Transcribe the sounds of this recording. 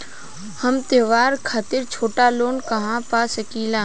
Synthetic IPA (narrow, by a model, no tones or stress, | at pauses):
həmt̪eːʋaːɾkʰaːt̪ɪɾt͡ʃʰoːʈaloːnkɐɦãpasəkiːlãː